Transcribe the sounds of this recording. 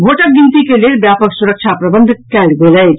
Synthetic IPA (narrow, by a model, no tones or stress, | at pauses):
bʱoʈək̚ɡint̪ikelelbjapəksuɾək̚t͡ʃʰapɾəbənd̪ʱkɛlɡeləj